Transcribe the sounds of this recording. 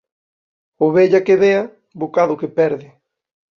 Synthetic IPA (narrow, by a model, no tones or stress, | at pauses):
oβeʎakeβeɐ | bokaðʊkepɛɾðɪ